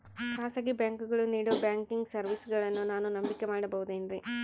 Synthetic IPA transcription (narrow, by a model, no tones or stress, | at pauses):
kaːsaɡibjaːŋkuɡɐɭuniːɽoːbjaːŋkiŋɡsɐɾʋisɡɐɭɐnːunaːnunɐmbikemaːɽɐbɐɦud̪eːnɾi